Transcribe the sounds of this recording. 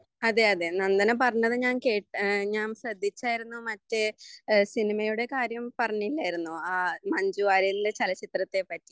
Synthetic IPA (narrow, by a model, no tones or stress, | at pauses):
ɐðeɐðe̞nɐnd̪ɐnɨpɐrɐɲːɐðɨɲaːnke̞ːʈɲaːmɕrɐd̪ʱːit͡ɕːaːjiɾunːumɐtːɨsinimɐjuɽe̞kaːɾjɐmpɐrɐɲːilːaːjiɾunːuaːmɐɲd͡ʑuʋaːɾilidet͡ɕɐlɐt͡ɕit̪rɐt̪ːe̞pɐtːi